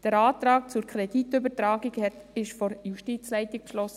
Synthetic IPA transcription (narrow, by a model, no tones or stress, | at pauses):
d̥əɾɑːt̪ɾɑːk̚t͡sʊɾkʰɾɛd̥itʏbətɾaːɡikɛɪʃfɔɾjuʃtit͡slɛɪtik̚pʃlɔsə